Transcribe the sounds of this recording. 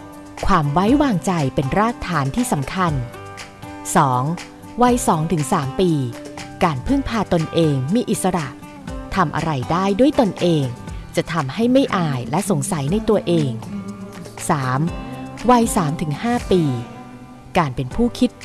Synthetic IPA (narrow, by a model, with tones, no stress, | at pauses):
kʰwaː˧mwa˦˥jwaː˧ŋt͡ɕa˧jpe˧nɾaː˥˩k̚t̪ʰːaː˩˦nt̪ʰiː˥˩sa˩˦mkʰa˧n | sɔː˩˦ŋ | wa˧jsɔː˩˦ŋt̪ʰɯ˩˦ŋsaː˩˦mpiː˧kaː˧npʰɯ˥˩ŋpʰaː˧t̪o˧nʔeː˧ŋmiː˧ʔi˨˩t̪̚sa˧ɾa˨˩ʔ | t̪ʰa˧mʔa̰˧ɾa˧jdaː˥˩jdu˥˩əjt̪o˧nʔeː˧ŋt͡ɕa˨˩ʔt̪ʰa˧mha˥˩jma˥˩jʔaː˧jlɛ˦˥ʔso˩˦ŋsa˨˩˦jna˧jt̪u˧ɐʔeː˧ŋ | saː˩˦mwaː˧jsaː˩˦mt̪ʰɯ˩˦ŋhaː˥˩piː˧ | kaː˧npe˧npʰuː˥˩kʰi˦˥t̪̚